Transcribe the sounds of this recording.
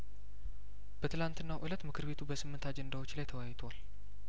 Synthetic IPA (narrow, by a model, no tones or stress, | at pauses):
b̥ət̪ʰɨlant̪ɨnːawʔɨlət̪mɨkʰɨɾbe̞t̪ʰubəsɨmːɨnt̪ʰad͡ʒend̪awo̞t͡ʃːlajt̪ʰəwajt̪ʰoal